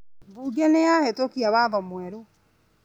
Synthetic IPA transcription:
buːɡianejahetokiaβaðɔmwɛɾo

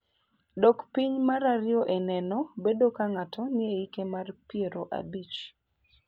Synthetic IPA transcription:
dɔkpiɲmaɾaɾɪɔʔenɛnɔbedokaŋatʰɔnɪeikemarpɪeɾoʔa̰bit͡ʃ

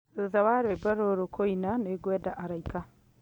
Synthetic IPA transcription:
oðaβaɾwebaɾoɾokʰoinaneɡwɛdaʔaɾaika

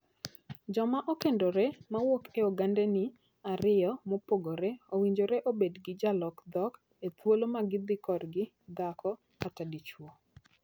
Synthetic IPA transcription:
d͡ʒɔmaʔokendoɾɛmawokeɔɡandɛnɪ | aɾɪjɔmopoɡoɾɛowiɲd͡ʒoɾɛʔobedɡɪd͡ʒalɔkd̪ɔk | et̪wolomaɡɪd̪ɪkɔdɡɪ | d̪akʰɔ | katadit͡ʃwo

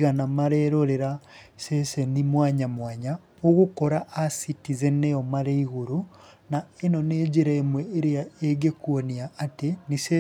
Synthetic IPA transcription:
ɣanamaɾɛɾoɾeɾasesenimwaːɲamwaːɲa | oɣukɔɾaʔasitizeneɔmaɾeiɣoɾo | naenɔneːd͡ʒeɾaemwɛeɾeaeɡekwoniaːtenise

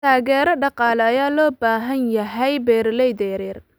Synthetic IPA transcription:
t̪ʰaːɣɛːɾɐɖɑqɑːlɛːjaːlɔːbaːɦɐnjɐɦɛjbɛːɾlɛjd̪ɛɾɛr

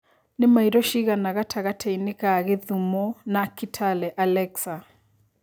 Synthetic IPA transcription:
nɪmaiɾɔʃiɣanaɣatʰaɣatʰɛinɪkaɣeðumɔnakitʰalɛʔalɛksa

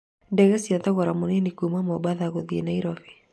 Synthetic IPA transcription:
ndɛɣɛsiaðaɣɔɾamuninikumamɔbaðaɣoðiḛnaiɾɔfi̥

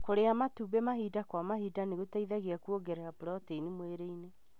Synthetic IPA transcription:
koɾeamatubemaɦidakwamaɦiːdaneɣotaiðaɣeakuoɡɛɾaapoɾɔteinimweɾeine

